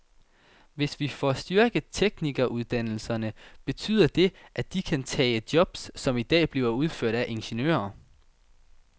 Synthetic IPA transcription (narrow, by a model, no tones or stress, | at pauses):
ʋe̝sʋifɒsd̥yɐɡ̥ðˠt͡sʰeɡ̥niɡ̥ɐʔuð̞ˠd̥æn̰l̩sɐnəb̥e̝t͡sʰy̰ːð̞̰ˠɐd̥e̝ʔæd̥ikʰænt͡sʰɛ̰ːd̥jɒ̽b̥sːɒ̽mid̥ɛ̰ːb̥liːʊɐuð̞ˠføɐ̰ɾ̥æʔe̝nɕe̝nø̰ːɐ